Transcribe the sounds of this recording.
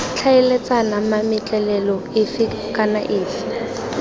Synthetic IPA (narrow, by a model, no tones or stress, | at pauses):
t͡ɬʰaɛlet͡sʼanamamɪt͡ɬʼɛlɛlɔɪfɪ | kʼanaʔɪːfɪ̥